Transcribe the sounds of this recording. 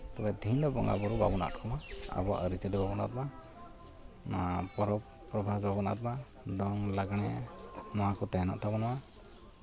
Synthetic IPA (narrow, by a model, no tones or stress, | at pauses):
t̪ɛbɛd̪ʱiɲd̪ɔbɔ̰ŋɡa̰bɔɾubabɔna̰ʔtkʰɔmaa̰bɔa̰ʔəɾit͡ʃədɛbabɔna̰t̪ma | nɔapɔɾɔp | pːɾɔbʱasbabɔna̰t̪̚ma | d̪ɔŋlaɡɽ̃ɛnɔwakɔt̪ɛɦɛna̰ʔt̪ʰabɔnɔwa